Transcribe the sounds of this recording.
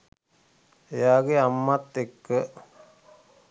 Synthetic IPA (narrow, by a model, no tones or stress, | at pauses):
ejaːɡeamːat̪ːekːə